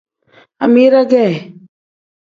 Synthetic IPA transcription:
a̰˨mi˦ɾa˦ɡɛ˦˨

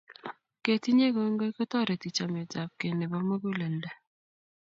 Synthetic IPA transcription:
ke˨ti˦ɲe˦ɡɔ˨˦ŋɡo˦i˦kɔ˦tɔ˦ɾe˨ti˨t͡ʃa˨mɛ˨ta˨p̚ke˨nɪ˨bɔ˦mo˦ɡu˦lɛ˨ndɛ˦

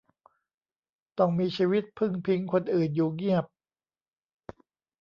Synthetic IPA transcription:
t̪ɔ˥˩ŋmiː˧t͡ɕʰiː˧wi˦˥t̪̚pʰɯ˥˩ŋpʰi˦˥ŋkʰo˧nʔɯː˨˩njuː˨˩ŋi˥˩əp̚

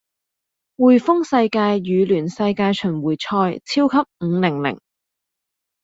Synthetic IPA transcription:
wuː˨˩jfʊ˥ŋsɐ˧jkaː˧jːyː˨˧lyː˨˩nsɐ˧jkaː˧jt͡ʃʰɵ˨˩nwuː˨˩jt͡ʃʰɔː˧jt͡sʰiː˥wkʰɐ˥p̚ŋ̩ː˨˧˦lɪ˨˩ŋlɪ̰˨˩ŋ

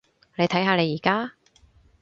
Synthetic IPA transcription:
le˨˧jt̪ʰɐ˨˥jɦaː˧le˨˧jːiː˨˩kaː˥

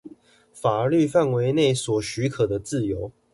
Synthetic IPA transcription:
fa˨˩ə˧˦ly˥˧fa˥˨nwe˧˦ɪne˥˨ɪswɔ˨˩ɕy˧˥kʰɤ˨˩d̪ə˦t͡sɹ̩˥˨jo˧˦ʊ

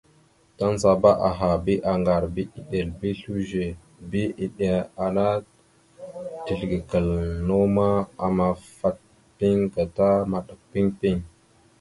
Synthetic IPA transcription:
ta˦n˦za˨ba˦ʔa˨ɦa˨bi˦ʔa˨ŋɡa˨ɾbi˦i˨ɗe˨lbi˦ɬu˦ʒe˨ | bi˦i˨ɗe˨a˨na˦ | ti˨ɬɡi˨kə˨lno˦ma˦a˨ma˨fa˦t̚ | pi˦ŋɡa˨ta˦ma˨ɗə˨k̚pi˦ŋpi˦ŋ

